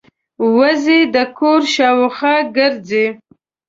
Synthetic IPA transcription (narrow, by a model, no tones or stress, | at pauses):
wazed̪əkʰoɾʃɑwxaɡəɾd͡ze